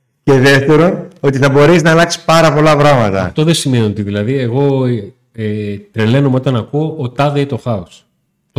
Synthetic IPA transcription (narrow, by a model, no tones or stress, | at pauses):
ce̞ðeft̪e̞ɾo̞no̞t̪iθɐbo̞ɾeznɐːlɐksi̥spɐɾɐpo̞lɐpɾɐmɐt̪ɐɐft̪o̞ðesime̞nio̞t̪iðilɐðie̞ɣo̞ | et̪ɾe̞le̞no̞meo̞t̪ɐnɐkuoʔːt̪ɐðeit̪o̞xɐos | t̪o